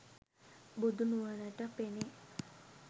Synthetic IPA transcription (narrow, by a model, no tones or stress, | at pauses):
bud̪unuʋənəʈəpene